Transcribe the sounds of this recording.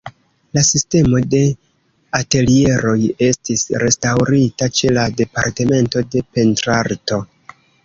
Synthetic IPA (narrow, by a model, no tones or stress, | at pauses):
lasiste̞mo̞de̞ | ate̞lie̞ɾo̞je̞stisɾe̞stawɾitat͡ʃe̞lade̞paɾte̞me̞nto̞de̞pe̞ntɾaɾto̞